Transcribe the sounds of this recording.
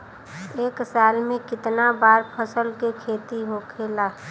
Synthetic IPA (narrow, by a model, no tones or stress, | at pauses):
eːksaːlmẽkɪt̪nabaːɾpʰəsəlkekʰeːt̪iɦokʰeːlaː